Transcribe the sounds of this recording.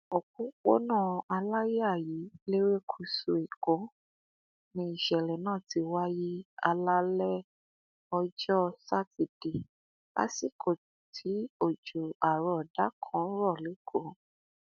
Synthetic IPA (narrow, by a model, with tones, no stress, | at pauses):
o˨kũ˨˦k͡po̰˦nãː˦˨a˧la˦je˦a˦˨ji˨˦le˦ɾe˦kʰu˦˨su˧i˨ko˨˦ | nĩ˧i˦˨ʃɛ˨lɛ˨nãː˦˨ti˧wa˦ji˦a̰˧la˦lɛ˦ | ɔ˧d͡ʒɔ˦sa˦ti˨d̥i˨ | la̰˦si˦˨kʰo˨ | tʰi˨˦o˦˨d͡ʒu˨a˨ɾɔ˨da˨˦kʰɔ̃˨˦ɾɔ˦˨le˨˦ɡo˨˦